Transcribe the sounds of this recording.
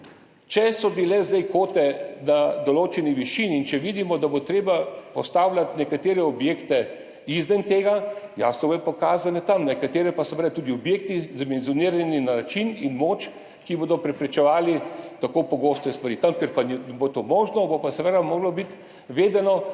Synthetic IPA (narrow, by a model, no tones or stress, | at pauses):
t͡ʃɛsɔbilɛzd̪ɛjkoːt̪ɛnad̪ɔloːt͡ʃɛniʋiʃinːnt͡ʃɛʋiːd̪imɔd̪abot̪ɾeːbapɔst̪aːwlʲat̪nɛkat̪eːɾɛɔbjeːkt̪ɛ | izmɛnt̪eːɡajaːsnɔbɛpɔkaːzanɛt̪amnɛkat̪eːɾɛpasɛʋed̪at̪uːd̪iɔbjeːk̚t̪izamɛnzjɔniːɾaninat͡ʃininmoːt͡ʃ | kiboːd̪ɔpɾɛpɾɛt͡ʃɛʋaːlit̪akoːpɔɡoːst̪ɛst̪ʋaɾit̪amkɛɾpanbot̪oːmoːʒnɔbopasɛʋed̪amoːɡlɔbit̪ | ʋeːd̪ɛnɔ